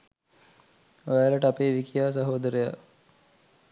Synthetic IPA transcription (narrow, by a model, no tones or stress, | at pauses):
oʋæləʈəapeːʋikijaːs̬ɐɦoːd̪əɾəja̰